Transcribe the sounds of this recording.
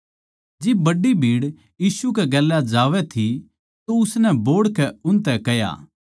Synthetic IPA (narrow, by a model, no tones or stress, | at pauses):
d͡ʒɪbbɐɖibʱiːɽ | jiːsukɛɡɛːlːad͡ʒaːʋɛt̪ʰi | t̪oʊsnɛboːɽkɛʊnt̪ɛkɛja̰ː